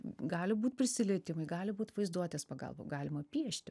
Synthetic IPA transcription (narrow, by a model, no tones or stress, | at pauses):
ɡɑːlʲɪbuːt̪ʲpʲɾʲɪsʲɪlʲɪt̪ʲɪmɐɪɡɑːlʲɪbuːt̪ʋɐɪzd̪uɔt̪ʲeːspɐɡɐ̰lˠbɐ̰ɡɑːlʲɪmɐpʲiɛʃʲt̪ʲɪ